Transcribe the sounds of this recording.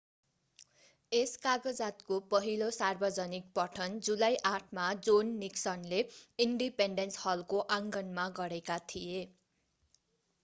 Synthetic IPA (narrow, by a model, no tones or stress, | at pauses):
eskaɡʌd͡zat̪kopʌɦilosarbʌd͡zʌnik̚pʌʈʰʌnd͡zulajʔaʈʰmad͡zonːiksʌnleiɳɖipeɳɖenshʌlkoʔãŋɡʌnmaɡʌɾekat̪ʰije